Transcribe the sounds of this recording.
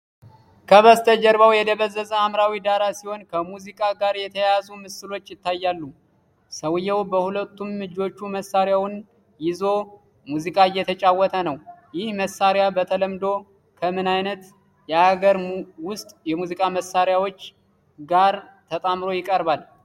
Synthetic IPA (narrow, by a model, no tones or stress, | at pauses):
kʰəβəst̪ʰəd͡ʒəɾbawjɛd̪əβəzːəzəamɾawid̪aɾasiho̞nkʰəmuzikʼaɡaɾjɛt̪ʰəjazumɨsɨlo̞t͡ʃːjɪt̪ʰːajːalːu | səwjːɛwbəhulət̪ːumːɨd͡ʒo̞t͡ʃːuməsːaɾjawn | jɪzo̞ | muzikʼaɨjːɛt̪ʰət͡ʃʼawːɔt̪ʰənəwjɪhməsːaɾjabət̪ʰələmd̪o̞ | kʰəmɨnajnət̪ | jɛaɡəɾwʊst̪ʼjɛmuzikʼaməsaɾjawo̞t͡ʃː | ɡaɾ | t̪ʰət̪ʼamɾo̞jɪkʼəɾbal